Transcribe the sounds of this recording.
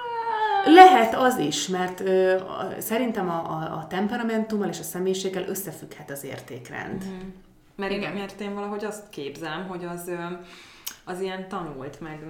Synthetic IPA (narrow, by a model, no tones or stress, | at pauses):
lɛɦɛt̪ɒziʃmɛrt̪øːsɛɾint̪ɛmɒ̰t̪ɛmpɛɾɒmɛnt̪umːɒleːʃɒsɛmeːjiʃeːɡːɛlʔøsːɛfykhɛt̪ɒzḛːrt̪ḛːkrɛ̰nd̪ | mɛɾiɡɛmert̪eːɱvɒlɒɦo̞ɟɒst̪keːbzɛlɛmɦo̞ɟɒz | ɒzijɛnt̪ɒnult̪mɛɡ